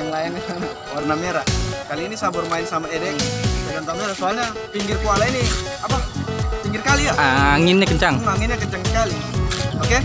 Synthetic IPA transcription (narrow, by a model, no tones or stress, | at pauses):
jaŋlajaŋan | warnameɾakaliːnisabʊrmaɪnsamaedɛŋdadant̪ameɾasoalɲa | p̪iŋɡɪrkualaini | apap̪iŋɡɪrkalijaaaŋɪnɲakəɲt͡ʃaŋaŋɪnɲakəɲt͡ʃaŋsə̥kali | oke